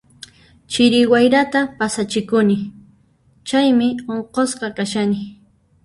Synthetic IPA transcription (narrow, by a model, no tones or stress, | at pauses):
t͡ʃɪɾɪwajɾat̪apasat͡ʃɪkʊnɪ | t͡ʃajmɪoɴqosqɑkaʃanɪ